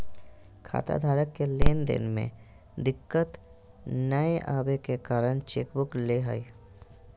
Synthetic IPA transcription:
kʰa̰ːt̪a̰d̪ʱaːɾəkːeleːnd̪ɪ̰nmḛ̃ | d̪ɪkːət̪ | nəeʔaːbekekaːɾəɳ̃t͡ʃeːkbʊkleɦəi

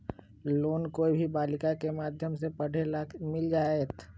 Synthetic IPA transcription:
loːnkoibʱibaːlɪkakemaːd̪ʱjəmsepɐɽ̤emɪld͡ʒaːeːt̪

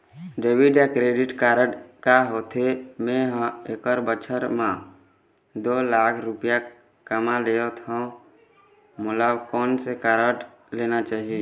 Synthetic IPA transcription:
ɖeːbiɖakɾeːɖɪʈkaːɾəʈkaɦoːt̪ʰemẽɦə̃eːkəɾbət͡ʃʰəɾmã | d̪oːlaːkʰɾʊpja | kəmaleːot̪ʰɦõ | mʊləbkɔːnsekaːɾəɖ | leːnat͡ʃaːɦie

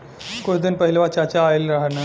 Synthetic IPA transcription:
kojd̪ənpəɦilʋat͡ɕat͡ɕaːelɾaɦna

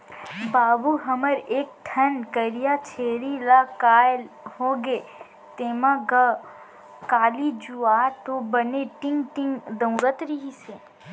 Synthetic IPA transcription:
baːbuɦɐməɾeːk̚t̪ʰɐnkəɾijat͡ʃʰeːɾilaːkaːl | hoɡeː | t̪eːmaɡa | kaːlid͡ʒuaːt̪obəneʈɪ̃ŋɡʈɪ̃ŋɡd̪ə̃ʊɾət̪ɾiɦiseː

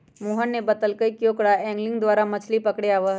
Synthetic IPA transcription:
moːɦənːebɐt̪əlkəikjoːkɽaɛ̃ːŋɡlɪ̃ŋɡd̪waːɾamɐt͡ʃʰlipɐkɽeaːʋəɦ

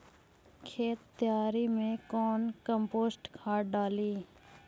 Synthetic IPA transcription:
kʰeːt̪ːjaːɾimẽkɔːnkəmpoːsʈkʰaːʈɖaːliː

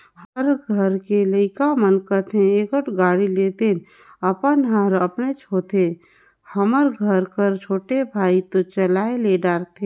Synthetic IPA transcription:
həɾɡʱəɾkeləɪkamənkət̪ʰẽekəʈɡaːɽileːt̪en | əpənɦəɾəpnet͡ʃʰoːt̪ʰe | həməɾɡʱəɾkəɾt͡ʃʰoːʈebʱaːit̪ot͡ʃəlaːeleɖaːɾt̪ʰe

